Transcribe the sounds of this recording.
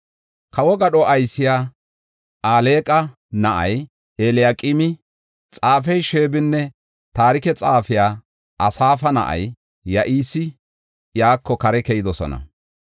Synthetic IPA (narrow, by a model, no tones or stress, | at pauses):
kʰɐwɔɡɐɗɔʔɐjsɪjaː | ʔaːle̞ːkʼɐ | nɐʔɐj | eːlɪjaːkʼɪmɪ | t͡sʼaːfɛjʃeːbɪnːɛ | t̪aːɾɪkɛt͡sʼaːfɪjaː | ʔɐsaːfɐnɐ̰ʔɐ̰jː | ɐʔiːsɪ | jaːkːɔkɐɾɛkɛjɪd̪ɔsɔ̰nɐ̰